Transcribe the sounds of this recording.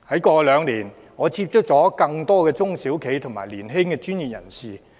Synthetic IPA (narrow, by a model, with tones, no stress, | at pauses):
hɐ˨˥jkɔː˧lœː˨˧ŋliː˨˩n | ŋɔː˨˧t͡sʰiː˧p̚t͡ʃʰʊ˥k̚t͡sɔː˨˥kɐ˧ŋt̪ɔː˥kɛː˧t͡sʊ˥ŋsiː˨˥wkʰe˨˥jt̪ʰʊ˨˩ŋmaː˨˩liː˨˩nɦɪ˥ŋkɛː˧t͡ʃyː˥nji˨p̚jɐ̰˨˩nsiː˨